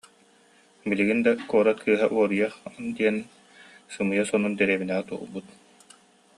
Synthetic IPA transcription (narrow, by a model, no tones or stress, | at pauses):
biliɡind̪akuɔɾat̪̚kʰɯːɦaʔuɔɾɯjaχd̪iɛn | sɯmɯjasɔnund̪ɛɾiːbinɛʁɛt̪uɔ̰lˠbut̪